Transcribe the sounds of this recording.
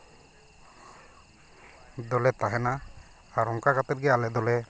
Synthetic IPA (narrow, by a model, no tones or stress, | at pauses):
d̪ɔlɛt̪aɦɛna | aɾɔŋkakat̪ɛt̪̚ɡɛalɛd̪ɔlɛ